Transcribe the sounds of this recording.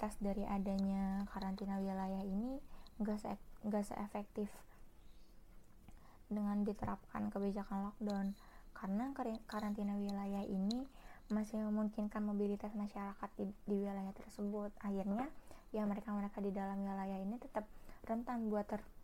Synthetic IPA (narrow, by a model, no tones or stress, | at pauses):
t̪asdaɾiʔadaɲakaɾant̪inawilajahiniŋɡasəŋɡasə̰ʔefɛk̚t̪ɪf | dəŋandit̪əɾap̚ka̰nkəbid͡ʒakanlɔk̚dan | kaɾənakaɾant̪inawilajahinimasɪhməmuŋkɪnkanmobilit̪asmaʃaɾakat̪̚diwilajaht̪ərsəbʊt̪ʔahirɲajaməɾekaməɾekadidalamwilajahinit̪ət̪əp̚rənt̪anbuat̪ːər